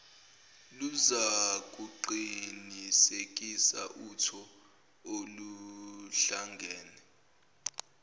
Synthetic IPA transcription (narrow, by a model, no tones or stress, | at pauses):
luzak̬ʼuǃinisek̬ʼisa̰ʔutʰɔ | oluɬaŋɡʱɛːnɛ